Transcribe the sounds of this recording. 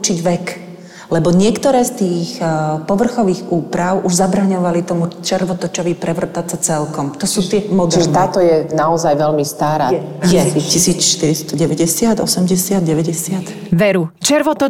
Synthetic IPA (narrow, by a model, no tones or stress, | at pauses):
ut͡ʃiɟʋɛk | lɛbɔɲɪɛkt̪ɔɾɛːst̪iːxpɔʋr̩xɔʋiːɣuːpɾaʊʔuʒzabɾaɲɔʋalit̪ɔmut͡ʃɛɾʋɔt̪ɔt͡ʃɔʋiːpɾɛʋr̩t̪at͡sat͡sɛlkɔmt̪ɔsuːt̪ɪɛmɔd̪t͡ʃiʒɛt̪aːt̪ɔjɛnaɔzajʋɛlmist̪aːɾa̰ːjɛcisiːt͡sʃt̪iɾist̪ɔɟɛʋɛɟɛsɪad̪ɔsɛmɟɛsɪad̪̚ɟɛʋɛɟɛsɪat̪ | ʋɛɾut͡ʃɛɾʋɔt̪